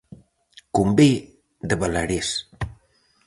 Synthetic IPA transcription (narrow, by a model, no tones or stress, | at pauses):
kumbe | d̪əβalaɾes